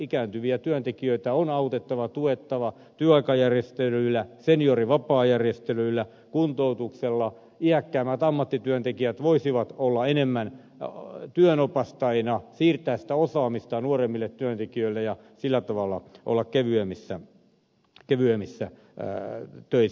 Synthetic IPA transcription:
ikæːnt̪yʋiæt̪yønt̪ekiøit̪æonɑut̪et̪ːɑʋɑt̪uet̪ːɑʋɑ | t̪yøɑikɑjærjest̪elyilːˑæsenijoriʋɑpɑːjærjest̪elyilːæ | kunt̪out̪ukselːɑ | iækːæːmːæt̪ɑmːɑt̪ːit̪yønt̪ekiæt̪ʋoisiʋɑt̪olːɑenemːæn | t̪yønopɑst̪ɑinɑsiːrt̪æːsi̥t̪æosɑːmist̪ɑnuoremːilːet̪t̪yønt̪ekiøilːejɑ | silːæt̪ɑʋɑlːɑ̰ʔo̰lːɑkkeʋyemisːæ | keʋyemisːæ | t̪øi

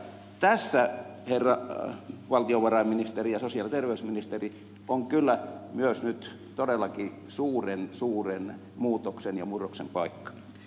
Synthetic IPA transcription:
t̪æsːæherːɑ | ʋɑlt̪ioʋɑrɑimminist̪erijɑsosiɑlit̪erʋeysminist̪eri | oŋkylːæmyøsnyt̪ | t̪odelːɑki | suːrensuːren | muːt̪oksenjɑmuroksempɑikːɑ̥

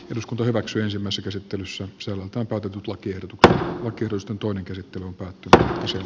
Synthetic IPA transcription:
eruskunt̪ɑhyʋæksyːensimːæˑisːækæsit̪ːelysːæsælːælt̪æːmpæˑyt̪et̪yt̪lɑkiehdot̪ukse̥t̪lɑkiehɾot̪ust̪ent̪oˑineŋkæsit̪ːelyompæːt̪ːynyt̪met̪ːæse

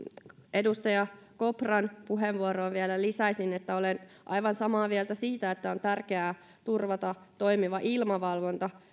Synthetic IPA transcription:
ʔedust̪ɑjɑ | koprɑnpuɦeʋʋuoɾoːʋʋielælisæisinet̪ːæolen | ʔɑ̰iʋɑnsɑmɑːʋielt̪æsiːt̪æet̪ːæont̪ærkeæː | t̪urʋɑt̪ɑt̪oimiʋɑʔilmɑʋɑlʋont̪ɑ

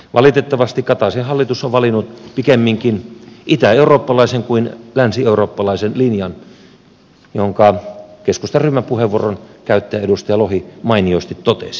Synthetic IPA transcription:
ʋʔɑ̰lit̪et̪ːɑʋɑst̪ikkɑt̪ɑsinhɑlːit̪usːoʋʋɑlinːut̪pikemːiŋkinʔit̪æeuroːpːɑlɑiseŋkuinlænsieuroːpːɑlɑisenlinjɑn | joŋkɑkeskust̪ɑrymːæpuheʋːuoronkæyt̪ːæjæedust̪ɑjɑlohimɑiniost̪it̪t̪ot̪ḛsi̥

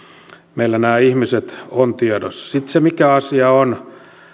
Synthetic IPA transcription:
meilːænæːihmiset̪ont̪iedo̰sɑ̥sit̪semikæɑsiɑon

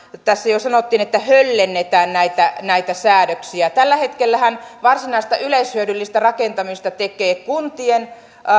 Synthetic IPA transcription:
t̪æsːæjosɑnot̪ːiːnet̪ːæhølːenːet̪æːnnæit̪ænæit̪æsæːdøksiæt̪ælːæhet̪kelːæhænʋɑrsinɑist̪ɑʔyleishyødylːist̪ærɑkent̪ɑmist̪ɑt̪ekeːkunt̪ien

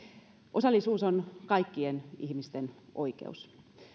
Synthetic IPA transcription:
ʔosɑlːisuːsonkɑikːienihmist̪enʔo̰ikḛus

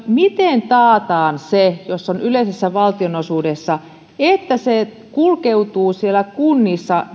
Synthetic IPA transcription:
mit̪ent̪ɑːt̪ɑːnsejosːonyleisesːæʋɑlt̪ionosuːdesːɑ | et̪ːæse | kulkeut̪uːsielːækunːisːɑ

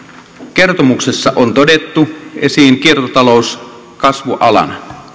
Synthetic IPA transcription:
ke̞rt̪omuksesːɑʔont̪o̞det̪ːuesiːŋkiert̪ot̪ɑlous | kɑsʋuʔɑlɑ̰nɑ

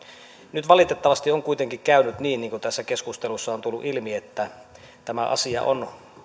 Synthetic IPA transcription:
nyt̪ʋɑlit̪et̪ːɑʋɑst̪ioŋkuit̪eŋkikkæynyt̪niːnniːŋkut̪æsːækeskust̪elusːɑont̪ulːṵʔilmiet̪ːæ | t̪æmæʔɑ̰siɑ̰ʔon

